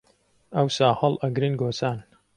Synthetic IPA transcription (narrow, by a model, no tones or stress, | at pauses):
ɐwsaːhɐlʔɐɡɾɨnɡoːt͡saːn